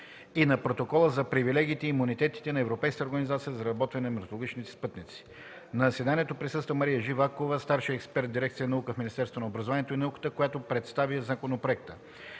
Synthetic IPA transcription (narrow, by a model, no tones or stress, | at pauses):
inɐpɾot̪okɔlˠəzɐpɾivilɛɡ̟iːt̪ɛiːmunit̪ɛt̪i̥t̪ɛnɐɛvɾopɛjskəəoɾɡənizat̪sijəzɐɾɐbɔt̪vənɛnɐmɛɾt̪olˠoɡʲit͡ʃnit̪ɛ̥spɤt̪nit̪si̥ | nɐsɛd̪aniɛt̪opɾisɤst̪vəmɐɾijəʒivakovəst̪aɾʃiɛkspɛɾt̪d̪iɾɛkt̪sijənɐukəfminist̪ɛɾst̪vonɐobɾɐzovanʲiɛt̪oinɐukə̥t̪əkojat̪opɾɛt̪st̪aviəzakonopɾoɛk̚t̪ə